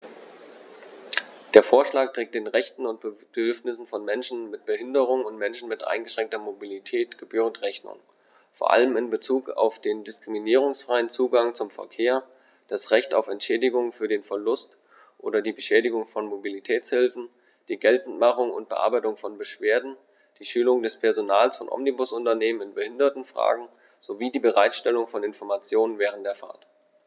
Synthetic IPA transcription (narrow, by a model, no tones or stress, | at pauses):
d̥eːɐfoːɐʃlaːk̚teːk̚td̥eːnʁɛçtn̩ʊnt̚bd̥ədʏɐfnɪsn̩fɔnmɛnʃn̩mɪt̚b̥əɦɪndəʁ̞ʊŋʊntmɛnʃn̩mɪtʔa̰ɪnɡəʃʁ̥ɛŋk̚tɐmobilitʰɛːtɡ̥əbyːʁəntʁɛçnʊ̰ŋ | foːɐʔa̰ləmɪnbət͡suːka̰ʊfd̥eːndɪskʁ̥iminiːʁ̞ʊŋsfʁ̥aɪənt͡suːɡaŋt͡sʊmfɛ̰ɐkʰeːɐ | d̥asʁɛçta̰ʊfɛntʃɛːdɪɡʊŋfyːɐdeːnfɛɐlʊst | ʔoːdɐdiːbəʃɛːdɪɡʊŋfɔnmobilitʰɛːt͡shɪlfn̩ | d̥iːɡɛltn̩tmaχʊŋʊ̰nt̚b̥əʔa̰ɐbaɪtʊŋfɔnbəʃv̥eːɐdn̩ | d̥iːʃyːlʊŋdɛspʰɛɐzonaːlsfɔnʔɔ̰mnibʊsʔʊntɐneːmənɪnbəhɪndɐtn̩fʁ̥a̰ːɡŋ̩ | z̥oviːdiːbəʁaɪtʃtɛlʊŋfɔnɪnfɔɐmat͡sjoːnənvɛːʁ̞əntd̥eːɐfa̰ɐt